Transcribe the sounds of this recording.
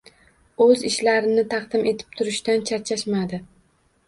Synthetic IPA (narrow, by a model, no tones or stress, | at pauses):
ɵzɪʃlaɾɪnɪt̪ʰɑqd̪ɪmʔe̞t̪ʰɪ̥p̚t̪ʰʊɾɪʃt̪ant͡ʃʰat͡ʃʰaʃmad̪ɪ